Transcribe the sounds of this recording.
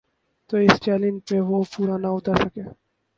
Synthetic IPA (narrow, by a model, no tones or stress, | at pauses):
t̪oɪst͡ʃɛːlɪ̃nd͡ʒpeʋopuːɾanaʊt̪aɾsəke